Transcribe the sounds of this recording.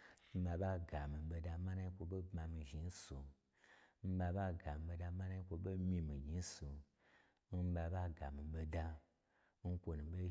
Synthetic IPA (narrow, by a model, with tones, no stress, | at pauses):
m̩˦ba˧ba˦ɡa˨mi˨be˧da˧mã˦na˦i˦kʷo˧ɓe˦bma˧mi˧ʒi˨n̩˦su˨ | m̩˦ba˧ba˦ɡa˨mi˨ɓe˧da˧ma˦na˦i˦kʷo˧ɓe˦mi˧mi˨ɡʲi˧˦su˨ | m̩˦ba˧ba˦ɡa˨mi˨ɓe˧da˧ | n̩˦kʷo˧nũ˨ɓe˦